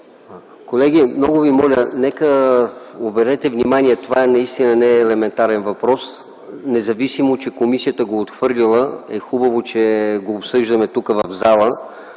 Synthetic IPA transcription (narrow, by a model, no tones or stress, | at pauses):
kolɛɡ̟ʲimnɔɡʊvimɔlʲənɛkə | obɛɾɛt̪ɛvnimanʲiɛt̪ovaɛnɐist̪inənɛːlɛmɛnt̪aɾɛnvɐpɾɔs | nɛzɐvisimot͡ʃɛkomisijət̪əɡoːt̪xvɤɾlʲilˠəɛxubəvot͡ʃɛɡoːpsɤʒd̪ɐmɛt̪ukəvɐvzalˠə